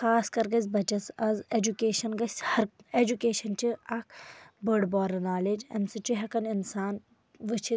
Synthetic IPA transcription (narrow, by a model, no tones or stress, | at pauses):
xaːskɐɾɡɐzʲbɐt͡ʃɐsɐzed͡ʒukeːʃɐnɡɐsʲhɐɾed͡ʒukeːʃɐnt͡ʃiɐk̚ʰbɐɖbɔːɾɐnaːled͡ʒɐ̰msɨt͡ʃuɦɐkɐninsaːn | ʋɨt͡ʃʰi